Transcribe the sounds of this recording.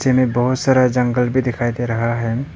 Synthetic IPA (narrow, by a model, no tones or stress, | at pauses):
semẽbəɦʊt̪saːɾad͡ʒə̃ŋɡəlbʱid̪ɪkʰaːjd̪eɾɐɦaɦɛ